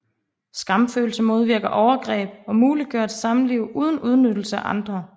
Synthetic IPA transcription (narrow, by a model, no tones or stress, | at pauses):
sɡ̥ɑ̈m̥fø̰ːl̩səmo̝ð̞ˠʋiɐ̰ɡ̥ɐʔɒʊɐɡ̥ʁɛ̰ːb̥ɒ̽muːliɡ̥øɐ̰d̥sɑ̈mn̩liʊ̰ʔuð̞ˠn̩uð̞ˠnød̥l̩səæʔɑ̈nd̥ʁɐ